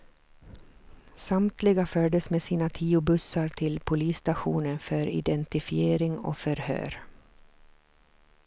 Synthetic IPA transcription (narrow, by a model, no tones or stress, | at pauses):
samt̪ʰlɪɡafœɖəsmeːsiːnat̪ʰiːʊbɵsːaɾʈʰɪlpʰʊliːst̪aɧuːnənfœɾɪ̰d̪ɛnt̪ɪfɪeːɾɪŋɔ̰fœɾhø̰ːɾ